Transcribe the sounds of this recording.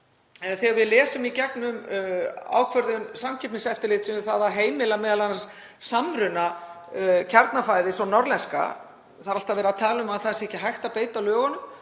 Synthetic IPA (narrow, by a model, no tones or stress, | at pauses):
ɛnθɛɣaɾvɪðlɛːsʏmicɛknʏm | a̰ːwkʰvœɾðʏnsamcʰɛpnɪsɛft̪ɪlɪːt̪sɛmθaðaɦeːjmɪlamɛːðalanas | samɾʏna | cʰaɾt̪nafaːjðɪsɔnɔɾlɛnska̰ | θaɾalt̪avɛːɾat̪ʰaːlʏʏmaðθasɛhcɪɦajxt̪apeːjt̪awlœːɣanʏm